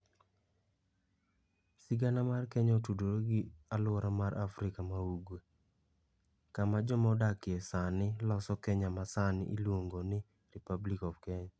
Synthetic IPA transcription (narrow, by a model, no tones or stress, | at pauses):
siɡanamarkɛɲɔtudoɾoɡɪalwɔɾamaɾʔafɾɪkamauɡwe | kamad͡ʒɔmɔɔdakɪesanɪlɔsɔkɛɲamasanɪ̰ʔilwoŋɡonɪ | ɾipablikɔvkɛɲa